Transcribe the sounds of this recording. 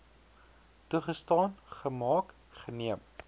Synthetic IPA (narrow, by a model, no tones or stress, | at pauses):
tuχəstɑːnχəmɑːk | χəniəm